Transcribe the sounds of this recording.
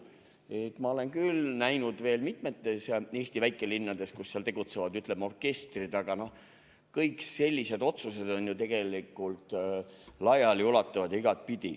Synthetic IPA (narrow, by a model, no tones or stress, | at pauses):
et̪ːmɑo̞le̞nkylnæjnud̪ve̞ːlmit̪me̞t̪ːˑe̞sjɑe̞ːst̪ivæjkˑːe̞linːɑd̪e̞skusːeɑlt̪e̞ɡ̥ut̪se̞vɑd̪yt̪ˑlemːo̞rke̞st̪rid̪̥ɑɡ̥ɑno̞h | kɤjkse̞lʲːise̞d̪o̞t̪suse̞d̪̥o̞njut̪e̞ɡ̥e̞likːˑult̪ | lɑjɑliulɑt̪ːˑɑvɑd̪̥ɑiɡ̥ɑt̪̚pid̪̥ʲi